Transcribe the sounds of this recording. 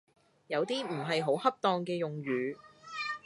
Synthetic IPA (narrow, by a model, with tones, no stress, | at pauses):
jɐ˨˧wt̪iː˥m̩˨˩ɦɐ˨jɦo˨˥whɐ˥p̚t̪ɔː˧ŋkɛː˧jʊ˨ŋɥyː˨˧